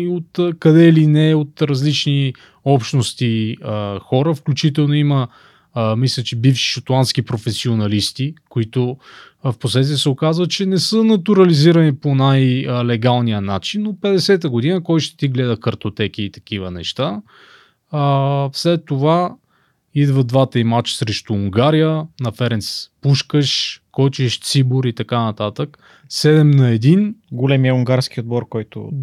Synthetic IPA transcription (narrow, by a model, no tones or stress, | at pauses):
ot̪kɐd̪ɛilinɛot̪ɾɐzlit͡ʃni | ɔpʃnost̪iəxɔɾəfklʲut͡ʃit̪ɛlˠnoimə | mislʲət͡ʃibifʃi̥ʃot̪lˠanskipɾofɛsionɐlist̪ikoit̪ʊfposlɛt̪ɛsɛokazvət̪̚t͡ʃɛnɛsənɐt̪uɾɐliziɾɐniponajlɛɡalˠnijənat͡ʃinːopɛd̪ɛsɛt̪əɡod̪inəkɔjʃt̪ɛ̥t̪iɡlɛd̪əkəɾt̪ot̪ɛk̟iːt̪ɐ̥kivənɛ̰ʃt̪a | əfslɛt̪ːova | id̪vəd̪vat̪əimat͡ʃsɾɛʃt̪ʊːŋɡaɾijənɐfɛɾɛnspuʃkəʃkɔt͡ʃiʃt̪siboɾit̪ɐkanɐt̪at̪ək | sɛd̪ɛmnɐɛd̪inɡolɛmiəuŋɡaɾskiod̪̚bɔɾkɔjt̪ʊ̰